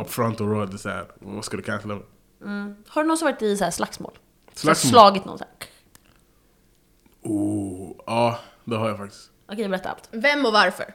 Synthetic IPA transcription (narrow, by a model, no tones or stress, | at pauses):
ɔpfɾɔnt̪ɔɾɔd̪ɛsæ̰ɾ̰vaskad̪ɵkʰanslamɛ | m̩haɖɵnɔnsɔvɑɾɪt̪ɪsaæːslaksmo̰ːl | slaslɑːɡɪt̪nɔ̰nsaː | uːɑːd̪ɛɦhaɾjafak̚t̪ɪ̥st̪ʔɔkʰejabɛɾɛt̪ːaɾa̰lt̪vɛmːɔvaɾfœ̰ɾ